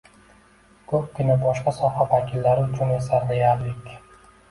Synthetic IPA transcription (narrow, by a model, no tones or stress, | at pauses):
kʰɵp̚kʲɪnabɒʃqɑsɒhavakʲʰɪlːaɾɪʊt͡ʃʰʊnesaɾd̪ejaɾlɪkʲ